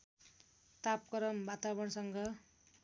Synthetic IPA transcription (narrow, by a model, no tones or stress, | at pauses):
t̪ap̚kʌɾʌmbat̪aβʌɳsʌŋɡʌ